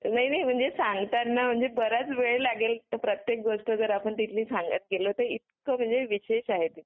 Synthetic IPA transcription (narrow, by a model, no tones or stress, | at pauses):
naɦinaɦim̤əɳd͡zesãŋɡt̪anːam̤əɳd͡zebəɾat͡sʋeɭelaɡelt̪əpɾət̪jek̚ɡoʂʈəd͡zəɾapəɳt̪it̪ʰliːsaŋɡa̰t̪̚ɡelot̪əɾit̪̚kəm̤əɳd͡zeʋiɕeɕaɦet̪it̪